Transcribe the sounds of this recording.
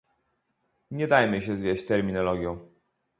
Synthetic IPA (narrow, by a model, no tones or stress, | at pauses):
ɲɛd̪ajmɘɕɛzvʲjeɕt͡ɕt̪ɛɾmʲinɔlɔɡʲjɔ̃w̃